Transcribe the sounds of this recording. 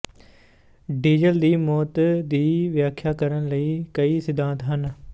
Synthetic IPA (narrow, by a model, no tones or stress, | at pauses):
ɖiːd͡ʒəld̪iːmɔːt̪d̪iːʋɪjaːkʰjaːkəɾənləiːkəiːsɪd̪ãːt̪ɦən